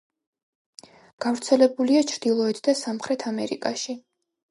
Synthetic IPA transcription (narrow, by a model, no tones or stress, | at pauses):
ɡ̥avɾt̪sʰɛlɛbuliat͡ʃʰɾd̪̥ilˠɔɛt̪ʰd̪asamχɾɛt̪ʰamɛɾḭkʼaʃi